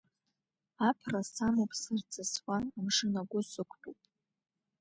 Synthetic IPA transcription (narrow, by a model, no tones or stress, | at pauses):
apʰrasamopʰʼsɨrt͡sʼaswʷanamʂɨnaɡʷʊsɨkʷʰpʼupʼ